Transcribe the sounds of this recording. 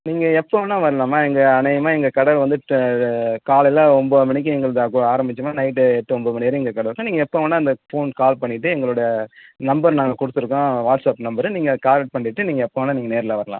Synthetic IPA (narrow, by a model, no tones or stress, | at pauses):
niːŋɡɐɛpːoːnːaːʋɐɾɐlaːmaːɛŋɡɐɐnɐjɐmaːɛŋɡɐkɐɽɐlʋɐnd̪ɯʈ | kaːɭɪlɐɔmboːðɯmɐɳɪk̬ʲːɯ̃ɛŋɡɐɭɯðɐkaːɾɐmbɪt͡ʃːɐmaːnɐɪʈːɯɛʈːɯɔmboðmɐneːɾɯɛŋɡɐkɐɽɐɾɯkːõːniːŋɡɐɛpːoːʋɐnːaːɐnd̪ɐfoːnkaːlpɐɳːɪʈːɯɛŋɡɐɭʊɽɐjɐnɐmbɐɾnaːŋɡɐkʊɽɯt̪ːɯɾɯkːõːʋaːʈsɐpnɐmbɐɾɯniːŋɡɐkaːɾɐʈ̚pɐɳːɪʈːɯniːŋɡɐɛpːoːnːaːniːŋɡɐneːɾɪlaʋɐɾɐlã̰ː